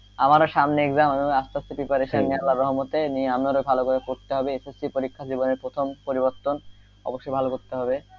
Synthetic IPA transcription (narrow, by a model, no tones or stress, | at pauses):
amaɾoʃamneeɡzamamiast̪asopipaɾeʃanmeɦalaɾːɔɦmot̪enieamoɾojbʱalokoɾekoɾt̪eɦɔbeesesːipoɾikʰːad͡ʑiboneɾpɾot̪ʰompoɾiboɾt̪ːon | ɔ̰boʃːojbʱalokoɾt̪eɦɔbe